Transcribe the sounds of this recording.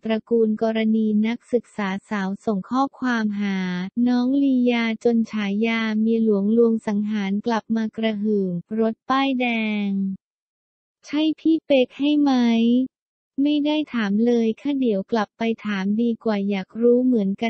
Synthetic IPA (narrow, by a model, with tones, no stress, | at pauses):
p̪ɾa˧kuː˧nkɔː˧ɾa˧niː˧na˦˥k̚sɯ˨˩k̚saː˩˦saː˩˦wso˨˩ŋkʰɔː˥˩kʰwaː˧mɦaː˩˦nɔː˦˥ŋliː˧jaː˧t͡ɕo˧nt͡ɕʰaː˩˦jːaː˧miː˧lu˨˩˦əŋlu˧əŋsa˩˦ŋɦaː˩˦nkla˨˩p̚maː˧kɾa˧ɦɯː˨˩ŋɾo˦˥t̪̚paː˥˩jdɛː˧ŋ | t͡ɕʰa˥˩jpʰiː˥˩pe˦˥k̚ha˥˩jma˦˥j | ma˥˩jdaː˥˩jt̪ʰaː˩˦mlɤː˧jkʰaː˥˩di˨˩˦əwkla˨˩pːa˧jt̪ʰaː˩˦mdiː˧kwaː˨˩jaː˨˩k̚ɾuː˦˥mɯ˩˦ənka˧